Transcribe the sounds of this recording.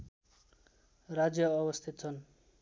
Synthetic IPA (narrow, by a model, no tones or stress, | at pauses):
rad͡zjʌːβʌst̪ʰit̪̚t͡sʰʌn